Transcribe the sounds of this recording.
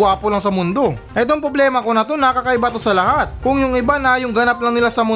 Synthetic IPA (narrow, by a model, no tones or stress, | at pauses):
aːpolɐŋsɐmʊnd̪o̞ | ɛt̪̬oŋpɾoblɛːmɐko̞nɐt̪o̞nɐkɐkɐʔɪbat̪o̞sɐlɐhat̪̚kʊŋjʊŋɪbanaːjoŋɡɐnap̚lɐŋnɪlasɐmʊ